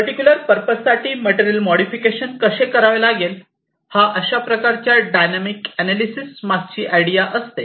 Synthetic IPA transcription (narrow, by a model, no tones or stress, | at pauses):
pəɾʈikʲuləɾpəɾpəsaʈiːməʈeɾəlmɔɽifikeɕənkəɕekəɾaʋelaɡel | haʔəɕapɾəkaɾt͡ɕjaɖajnamikɛnalisismaɡ̚t͡ɕiːʔajɽijaʔəst̪e